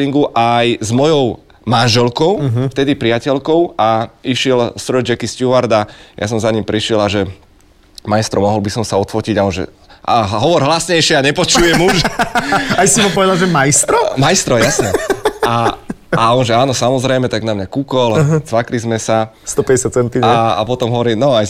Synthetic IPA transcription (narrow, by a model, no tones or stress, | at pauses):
iŋɡuʔajzmɔjɔʊ | manʒɛlkɔʊft̪ɛd̪ipɾiɪacɛlkɔʊaiʃɪɛlsɾɔd͡ʒɛkiscuaɾd̪aja̰sɔmzaɲimpɾiʃɪɛlaʒɛ | majst̪ɾɔmɔɦɔlbisɔmsaɔt̪fɔciɟaɔnʒɛ̰ | ʔaɦɦɔʋɔɾɦlasɲɛjʃɪɛaɲɛpɔt͡ʃujɛmuʃ | ajsimapɔʋɛd̪alʒɛmajst̪ɾɔmajst̪ɾɔjasɲɛaaɔnʒɛaːnɔsamɔzɾɛjmɛt̪aɡnamɲakukɔlt͡sʋaklizmɛsa | st̪ɔpɛɟɛsjat̪̚t͡sɛnt̪iɲɛa̰pɔt̪ɔmɦɔʋɔɾiːnɔaj